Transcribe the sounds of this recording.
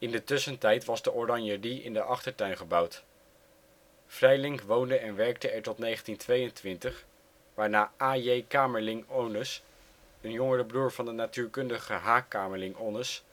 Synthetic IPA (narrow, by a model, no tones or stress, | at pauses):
ɪndətɵsəntɛjtʋɑzdəʔɔrɑnjədiʔɪ̰ndəʔɑχtəɹtœɥnχəbʌwt | frɛjlɪŋkʋowndəɛnʋɛɹk̚təɛɹtɔtnejχəntintʋejəntʋɪntəχ | ʋaːɹnaːʔaːjejkaːməɹlɪŋownəs | ənjɔŋərəbruːɹvɑndənatyːɹkɵndəχəɦaːkaːməɹlɪŋonəs